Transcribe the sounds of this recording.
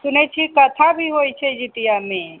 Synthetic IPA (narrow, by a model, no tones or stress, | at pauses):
sʊnɛt͡ʃʰikət̪ʰabʱiɦojt͡ʃʰɛd͡ʒit̪ijamẽ